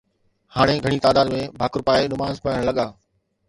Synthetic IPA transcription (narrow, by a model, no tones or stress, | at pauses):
haːɽ̃eɡʱɐɽ̃iːt̪aːd̪aːd̪mẽbʱaːkɾʊpaːenʊmaːzpaːəɽ̃lɐɠaː